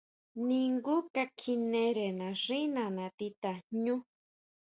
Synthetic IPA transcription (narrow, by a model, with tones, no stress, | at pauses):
nĩ˧ŋɡu˦ka˧kʰi˧nẽ˧ɾe˨nã˨ʐĩ˦nã˨nã˨t̪i˧t̪a˨ɲũ˦